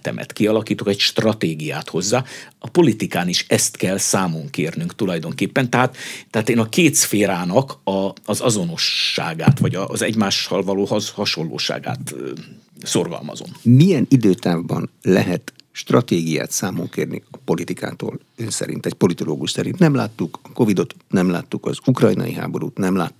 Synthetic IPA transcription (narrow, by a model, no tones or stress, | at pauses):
t̪ɛ̰mʔɛ̰t̪kiɒlɒkiːt̪okɛcʃt̪rɒt̪eːɡijaːt̪ho̞zːaːɒpo̞lit̪ikaːniʃɛst̪kɛlsaːmo̞ŋkeːrnyŋkt̪ulɒjd̪o̞ŋkeːpːɛnt̪ɛɦaːt̪t̪ːɛɦaːt̪eːnɒkeːt̪sfeːɾaːnɒkɒːzɒzo̞no̞ʃːa̰ːɡa̰ːt̪ʋɒɟɒʔzɛɟmaːʃhɒlvɒloːhɒhɒʃo̞lːo̰ːʃa̰ːɡa̰ːt̪ | so̞rɡɒ̰lmɒ̰zo̞̰mmijɛnid̪øːt̪aːvbɒnlɛ̰ɦɛt̪ʃt̪rɒt̪eːɡija̰ːt̪saːmoŋkeːrnḭɒpo̞lit̪ikʰa̰ːt̪o̰ːl | ønsɛ̰ɾḭnt̪ɛɟ̚po̞lit̪o̞loːɡuʃt̪sɛɾint̪nɛmlaːt̪ːukɒko̞vid̪o̞t̪nɛmla̰ːt̪ːukɒ̰zukrɒjnɒ̰jiɦa̰ːbo̞ɾṵːt̪nɛmla̰ːt̪ː